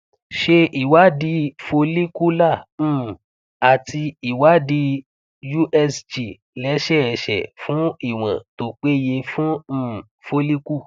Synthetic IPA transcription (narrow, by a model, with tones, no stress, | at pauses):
ʃe˧i˨wa˨˦di˧fo˧li˦ku˦lã˦˨˦ | a˨ti˧i˨wa˨˦di˧ | ju˦ʔɛ˧sd͡ʒi˨ | lɛ˦ʃɛ˦˨ɛ˨˧˨ʃɛ̰˨fũ˨˦i˦˨w̃ã̰˨to˨˦k͡pe˦je˧fũ˦˨ | fo˧li˦ku˦˨